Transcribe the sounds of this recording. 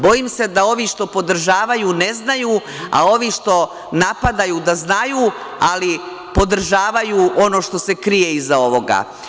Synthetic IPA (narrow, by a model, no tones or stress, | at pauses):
bo̞jimse̞d̪ao̞ʋiʃt̪o̞po̞d̪r̩ʒaːʋajuːne̞znajuː | a̰o̞ʋiʃt̪o̞ | napad̪ajuːd̪aznajuː | ali | po̞d̪r̩ʒaːʋajuːʔo̞no̞ʃt̪o̞se̞kɾijeizao̞ʋo̞ɡa̰